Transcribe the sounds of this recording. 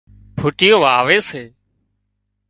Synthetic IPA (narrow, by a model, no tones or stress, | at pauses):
pʰʊʈɪjoːʋaːʋeːseː